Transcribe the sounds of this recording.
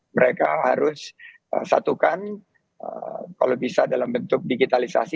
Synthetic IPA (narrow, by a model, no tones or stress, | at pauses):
məɾekahaɾʊs | ə̰sa̰t̪ukan | ə̰ka̰lawbisadalambənt̪ʊk̚diɡit̪alisa̰si